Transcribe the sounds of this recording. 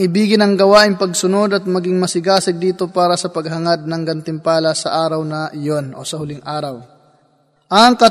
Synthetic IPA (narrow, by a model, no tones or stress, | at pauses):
ŋʔɪbiːɡɪnɐŋɡɐwaːʔɪŋpɐɡsʊno̞d̪ɐt̪̚mɐɡɪŋmɐsɪɡaːsɪɡ̚d̪iːt̪o̞paːɾɐsɐpɐɡ̚ɦɐŋad̪̚nɐŋɡɐnt̪ɪmpaːlɐsɐʔaːɾɐwnɐʔɪjonʔosɐhʊlɪŋʔaːɾɐw | ʔɐŋkɐ